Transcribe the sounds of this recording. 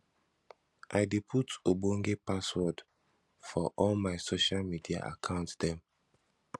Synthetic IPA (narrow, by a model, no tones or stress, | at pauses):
ʔaɪdepʰutobõŋɡepaswɔd | fɔʔɔlmaɪsoʃalmidia̰ʔa̰kʰãʊ̃ntdɛ̃m